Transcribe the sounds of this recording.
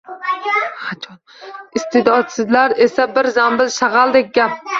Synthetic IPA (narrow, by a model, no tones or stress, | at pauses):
χat͡ʃʰɒnɪst̪ʰɪd̪ɒt̪sɪzlaɾesabɪɾzambɪlʃɑʁɑlˠd̪ek̚ʲɡʲap̚